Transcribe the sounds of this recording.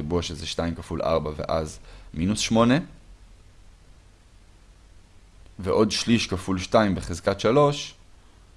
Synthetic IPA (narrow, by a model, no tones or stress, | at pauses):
ebuaʃezɛʃtaimkafulʔa̰ʁbave̞̰ʔazminusʃmo̞ne̞ | veʔo̞dʃliʃkafulʃtaimbeχezkatʃalo̞ʃ